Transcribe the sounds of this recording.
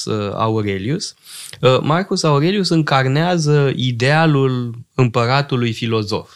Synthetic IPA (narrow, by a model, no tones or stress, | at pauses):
sa̰uɾelius | markusauɾe̞liusɨŋkarneazəid̪ealulɨmpəɾat̪ulujfilo̞zo̞̰f